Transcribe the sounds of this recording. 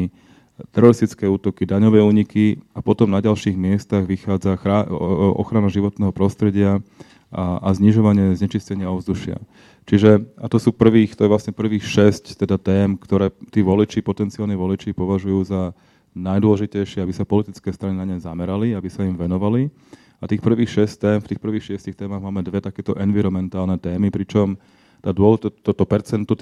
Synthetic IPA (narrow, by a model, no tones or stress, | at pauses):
t̪ɛɾɔɾist̪it͡skɛuːt̪ɔkid̪aɲɔʋɛːuːɲikiapɔt̪ɔmnaɟalʃiːɣmɪɛst̪aɣʋixaːd͡zaaɔ̰xɾanaʒiʋɔt̪nɛːɦɔpɾɔst̪ɾɛɟɪa | ʔazɲiʒɔʋaɲɪɛzɲɛt͡ʃiscɛɲɪaɔvzd̪uʃɪa̰ | t͡ʃiʒɛat̪ɔsuːpr̩ʋiːxt̪ɔjɛʋlasɲɛpr̩ʋiːxʃɛsct̪ɛd̪at̪ɛːmkt̪ɔɾɛːt̪iːʋɔlit͡ʃipɔt̪ɛnt͡sialɲiʋɔlit͡ʃipɔʋaʒujuːza | najd̪ʊɔlɛʒicɛjʃɪɛabisapɔlit̪it͡skɛːst̪ɾaninaɲɛjzamɛɾaliabisaimʋɛnɔʋali | at̪iːxpr̩ʋiːxʃɛsct̪ɛːmft̪iːxpr̩ʋiːxʃɪɛscixt̪ɛːmaɣmaːmɛd̪ʋɛt̪akɛːt̪ɔʔɛnʋiɾɔmɛnt̪aːlnɛt̪ɛːmipɾit͡ʃɔm | t̪aːd̪ʊɔlt̪t̪t̪ɔpɛɾt͡sɛnt̪u